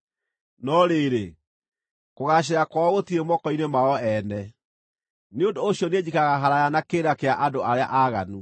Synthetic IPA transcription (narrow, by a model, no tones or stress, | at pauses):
nɔɾeɾe | koɣaɕ̬eɾakwaɔɣotiɾemɔkɔinemaɔɛːnɛ | neondoːɕjɔned͡ʑikaɣaɦaɾajanakeːɾakeaʔadoaɾea̰ʔaɣanu